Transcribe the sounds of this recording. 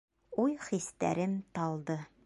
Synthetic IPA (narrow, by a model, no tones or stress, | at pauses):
ujχist̪æ̰ɾɘmt̪ɒlˠd̪ɤ